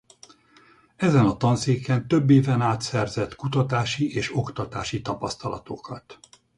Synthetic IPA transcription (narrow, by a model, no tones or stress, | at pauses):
ɛzɛnɒt̪ɒnseːkɛnt̪øbːeːvɛnaːt̪sɛrzɛt̪kut̪ɒt̪aːʃiʔeːʃokt̪ɒt̪aːʃit̪ɒpɒst̪ɒlɒ̰t̪o̞kʰɒt̪